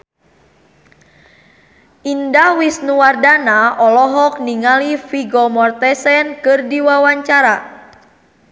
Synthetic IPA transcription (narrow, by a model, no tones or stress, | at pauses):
ʔindawisnuwardanaɔlɔɦɔk̚niŋalifiɡɔmɔrt̪ɛsɛnkɨrdiwawaɲt͡ʃaɾa